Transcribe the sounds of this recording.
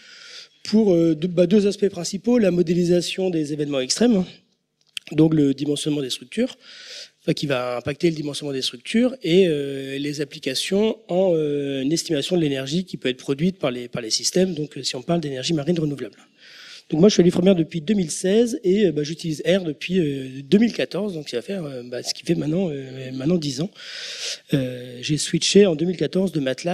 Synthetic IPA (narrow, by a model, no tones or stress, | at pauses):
pʰuʁød̪bad̪øzaspɛpχɛ̃sipolamɔd̪elizasjɔ̃d̪ezevɛnmɑ̃ɛkst̪χɛm | d̪ɔ̃kləd̪imɑ̃sjɔnmɑ̃d̪est̪χyk̚t̪yːʁfɛ̃kʲivaɛ̃pak̚t̪eləd̪imɑ̃sjɔnmɑ̃d̪est̪χyk̚t̪ʰyʁeølezaplikasjɔ̃ɑ̃ønɛst̪imasjɔ̃d̪əlenɛʁʒikʲipøɛt̪χpχɔd̪ɥit̪̚paʁlepaʁlesist̪ɛmd̪ɔ̃køsiɔ̃paʁld̪enɛʁʒimaʁinʁənuvlabl | d̪ɔ̃kmwaʒəsɥialyfχəmjɛʁd̪əpɥid̪əmilsɛzeøbaʒyt̪ilizɛʁd̪əpɥiød̪ømilkat̪ɔʁzd̪ɔ̃ksivafɛʁøbasə̥kʲi̥fɛmɛ̃nɑ̃ømɛt̪nɑ̃d̪izɑ̃ | øʒeswiʃeɑ̃d̪əmilkat̪ɔʁzd̪əmat̪la